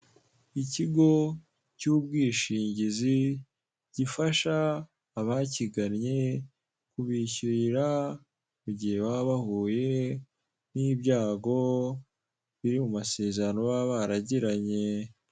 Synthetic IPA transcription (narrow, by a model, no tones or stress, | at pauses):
iciɡo̞ | cuːbɡiːʃiːɲɟizi | ɟ̥ifaʃaː | βaciɡanɲe̞ | kuβiçiɾɾa | muɟihe̞waβahuːje̞ | nibjaːɡo̞ | βiɾimumase̞ːzaɾano̞waβaɾaɟiɾaɲe̞